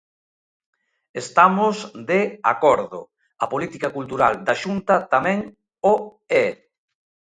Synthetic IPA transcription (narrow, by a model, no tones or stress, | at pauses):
est̪amozd̪ea̰kɔɾðʊ̰ | apolit̪ikakult̪uɾald̪aʃunt̪ɐt̪amɛ̃ŋ | o | ɛ